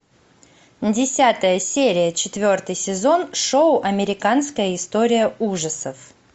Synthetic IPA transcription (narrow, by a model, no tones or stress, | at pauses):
dʲɪsʲat̪əjəsʲeɾʲɪjət͡ɕɪt̪vʲo̞rt̪ɨjsʲɪzo̞nʂoʊʔɐmʲɪɾʲɪkanskəjəɪst̪o̞ɾʲɪjəuʐəsəf